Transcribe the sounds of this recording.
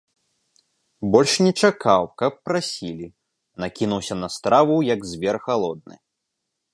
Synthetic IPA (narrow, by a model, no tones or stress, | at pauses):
bɔlʲʂnʲɛt͡ʂakʰawkɐpːɾasʲilʲi | nakʲinuwsʲɐnɐst̪ɾavujɐɡzʲvʲɛrxalˠɔd̪̚nɨ̰